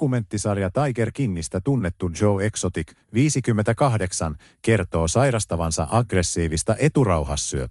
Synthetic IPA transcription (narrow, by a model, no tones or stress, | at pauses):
ume̞nt̪ːisɑrjɑt̪ɑjke̞rkinːist̪æt̪unːe̞t̪ːud͡ʒo̞we̞ksot̪ik | ʋiːsikymːent̪ækɑhde̞ksɑn | ke̞rt̪o̞ːsɑjɾɑst̪ɑʋɑnsɑ̰ʔɑɡre̞sːiːʋist̪ɑʔe̞t̪urɑwhɑsːyø